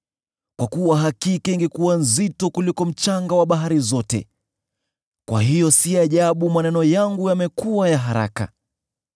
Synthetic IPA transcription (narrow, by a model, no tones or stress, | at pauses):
kwakuwaɦakikɛiŋɡɛkuwanzitɔkulikɔm̩t͡ʃaŋɡawaɓaɦaɾizɔtɛ̰ | kwa̰ɦijɔsiaʄaɓumanɛnɔjaŋɡujamɛkuwajaɦaɾa̰ka̰